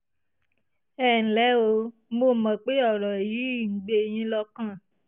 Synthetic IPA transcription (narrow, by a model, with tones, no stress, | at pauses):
ɛ˦˨n̩˨lɛ˨˦o˧ | mo˧˨mã˨k͡pe˦ɔ˦˨ɾɔ˨jiː˨˦˨ŋ̩˨ɡ͡be˧˨j̃ĩ˧˦lɔ˧kã˦˨